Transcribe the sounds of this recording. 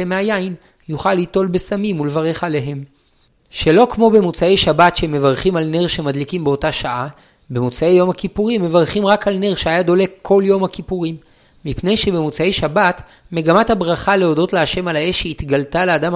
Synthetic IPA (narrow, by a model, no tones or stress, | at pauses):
emeajain | juχalːito̞lbe̞samimulevaʁe̞χale̞ɦe̞m | ʃe̞lo̞kmo̞be̞mut͡saejʃabatʃeme̞vaʁχimalne̞ʁʃe̞madlikimbeo̞taʃaʔa | be̞mut͡sae̞jo̞mhakipuʁimːe̞vaʁχimʁakalne̞ʁʃeajado̞le̞kkʰːo̞ljo̞mhakipuʁimː | ipne̞jʃe̞bemut͡sae̞jʃabat | me̞ɡamathabʁaχaleo̞do̞tleaʃe̞malae̞ʃit̪ɡaltaleadam